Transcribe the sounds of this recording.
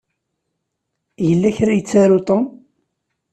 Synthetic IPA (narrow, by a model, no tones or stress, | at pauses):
jəlːæçɾajət͡sːaɾot̪ˤɑ